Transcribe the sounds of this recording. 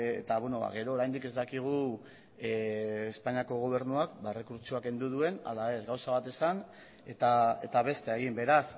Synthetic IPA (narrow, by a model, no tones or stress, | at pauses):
ḛt̪aβweno̞βa̰ɣe̞ɾo̞ːɾajnd̪ike̞zd̪akiɣ̞u | espaɲiako̞ɣ̞o̞β̞e̞ɾnuakbaere̞kuɾt͡ʃuake̞nd̪uð̞ue̞na̰lae̞zɣawsaβ̞at̪e̞san | e̞t̪ae̞t̪aβ̞e̞st̪eeɣ̞imbe̞ɾas